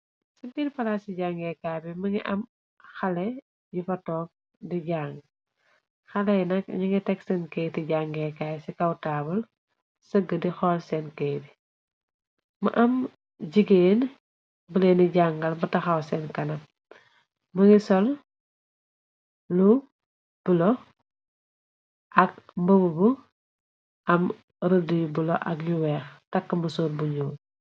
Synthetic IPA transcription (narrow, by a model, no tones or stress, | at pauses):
sɐɡinfɐlasiɟaŋɡɛkabimɐŋiʔɐm | xɐlɛ | jufɐtɔːk̚ | diɟaːŋɡ | xɐlɛjnɐkɲiŋɡɛtɛksɛnkɛːjtiɟaŋɡɛkajsikɐwtaːbɐl | səɡədixɔlsɛnkeːbi | mɐ̰ʔɐm | ɟiɡeːn | buleniɟaŋɡɐlbɐtɐxɐwsɛnkɐnɐ | mɐŋisɔl | lu | b̥ulɔ | ʔɐk̚mbɐbubu | ʔɐm | ɾədujubulɔʔɐkjuwɛːxtɐkːəmɐsuːɾbuɲuː